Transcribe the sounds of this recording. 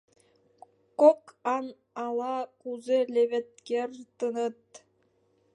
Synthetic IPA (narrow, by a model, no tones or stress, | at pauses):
kokɑn | ɑlˠɑkuzelʲeβʲet̪̚kʲert̪ɯnɯt̪̚